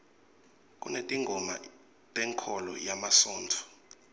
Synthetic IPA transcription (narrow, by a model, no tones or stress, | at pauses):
k̬ʼṵnetʼiŋɡʱɔma̰ | tʼɛŋkʰɔlɔ̰jamasɔːntʰɔ̥